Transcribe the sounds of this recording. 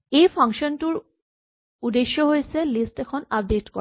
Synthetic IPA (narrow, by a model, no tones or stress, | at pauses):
ejpʰaŋʃɔntuɹ | udeʃːɔɦojsɛlistɛkʰɔnap̚detkɔ